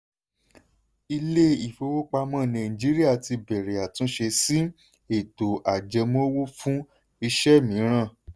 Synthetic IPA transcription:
i˧le˦i˨fo˧˦wo˦k͡pa˧mã˦˨nã˨ĩ˨d͡ʒi˦ɾi˦a˦˨ti˧bɛ˨ɾe˨a˨tũ˨˦ʃe˧si˦ | e˨to˨ʔa˨d͡ʒɛ˧mõ˦wo˦fũ˦ | i˧ʃɛ˦mĩ˨˦ɾ̃ã˦˨

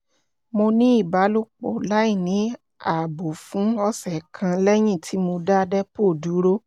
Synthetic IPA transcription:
mo˧nĩ˦i˦˨ba˨˦lu˦k͡po̰˨la˨˦i˦˨nĩ˨˦ | a˨bo˨fũ˨˦ɔ˧sɛ˨kʰã˧lɛ˦j̃ĩ˦˨tʰi˨˦mo˧da˦˧dɛ˦po˦˨du˨˦ɾo˦

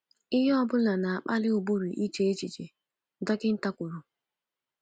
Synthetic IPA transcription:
ɪ˦ɦɔ˦bʊ˦la˨na˨a˨k͡pa˦lɪ˦ʊ˨bu˦ɾu˨ʔi˦t͡ʃe˨e˦t͡ʃi˨t͡ʃe˨˦ | dɔ˦kɪ˦n̩˦ta˦kʷʊ˨ɾu˨

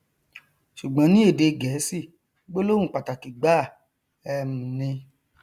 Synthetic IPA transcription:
ʃu˨ɡ͡bɔ̃˨˦nĩ˦e˦˨de˧ɡɛ˨˦si˦˨ | ɡ͡bo˦lo˦wũ˦˨k͡pa˨ta˨ki˨ɡ͡ba˦˨ | ɛ˧m̩̃˨nĩ˧

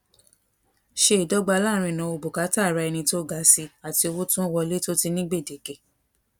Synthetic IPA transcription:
ʃe˦i˨dɔ˦ɡ͡ba˧˦la˦˨ɾ̃ĩ˧˨nã˨˧˦o˧bo˨ka˨˦ta˦˨ɾa˧ɛ˧ñĩ˧to˦ɡa˨˦si˧a˨ti˧o˧wo˦tũ˦wɔ˧le˦to˦ti˧nĩ˦ɡ͡be˦˨de˨ɡe˨

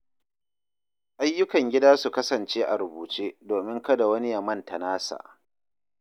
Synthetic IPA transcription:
ʔa˦jːʊ˦kɐ˨ŋɡʲɪ˦daː˦su˨kɐ˦sɐ˨nt͡ʃeː˦ʔa˨ɾʊ˨buː˨t͡ʃeː˦doː˨mɪ˦ŋkɐ˦da˨wɐ˦ni˦jɐ˨mːɐ˦ntɐ˨naː˦sa̰ː˨ʔ

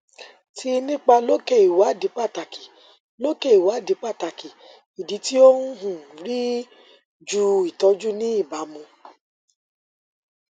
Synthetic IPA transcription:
tʰi˧˦nĩ˦k͡pa˧lo˦ke˦˨i˨wa˨˦di˨˦k͡pa˦˨ta˨ki̥˨ | lo˦ke˦˨i˨wa˨˦˨di˨˦k͡pa˦˨ta˨ki˨ | i˨di˨˦ti˦o˦u˦ɦũ˦˨ɾi˦ | d͡ʒu˦i˨tɔ˨˧˦d͡ʒu˦nĩ˦i˦˨ba˨˦mũ˧

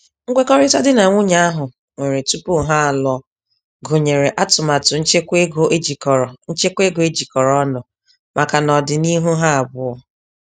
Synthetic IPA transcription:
ŋ̩˦ɡʷe˦kɔ˦ɾɪ˦ta˦dɪ˦na˨ŋʷʊ˦ɲa˦a˦ɦʊ˨ | ŋʷe˨ɾe˨tu˦pu˦˨ɦa˦a˨lɔ˦ | ɡo˨ɲe˨ɾe˨ʔa˦tʊ˨ma˨tʊ˨n̩˦t͡ʃe˦kʷe˦ɡo˦ʔe˦d͡ʒi˨kɔ˨ɾɔ˨n̩˦t͡ʃe˦kʷe˦ɡo˨e˦d͡ʒi˨kɔ˨ɾɔ˦nɔ˨ | mʔa˨ka˨nɔ˨dɪ˨ni˦ɦu˦ɦa˦a˨bʊ˦ɔ˦

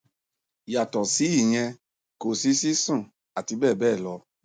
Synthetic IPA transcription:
ja˨tɔ˨si˨˦i˦˨j̃ɛ̃˧ | ko˨si˦si˦sũ˦˨ | a˨ti˧bɛː˦˨bɛː˦˨lɔ˧˦

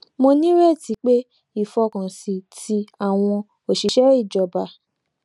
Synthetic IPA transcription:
mo˧nĩ˦ɾɛ˦˨ti˨˦k͡pe˦ | i˦˨fɔ˧kã˨si˨tʰi˧a˨w̃ɔ̃˧ | o˨ʃi˨ʃɛ˦ɾi˦˨d͡ʒɔ˧˨ba˧

